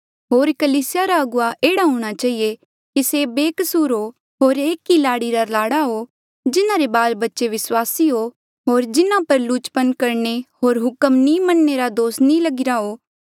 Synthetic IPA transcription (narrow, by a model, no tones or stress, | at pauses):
ɦoːɾkɐliːsɪjaɾaɐɡʊaʔeːɽaɦũːɽ̃at͡ʃaːɦije | kisebeːkəsuːɾɦo | ɦoːɾeːkːilaːɽiɾalaːɽaɦo | d͡ʒɪnãɾebaːlbɐtːʃeʋɪswaːsiɦo | ɦoːɾd͡ʒɪnãpɐɾlʊt͡ʃpənkɐɾɳeɦoːɾɦʊkəmnĩmɐnːeɾad̪oːsnĩlɐɡɪɾaɦoː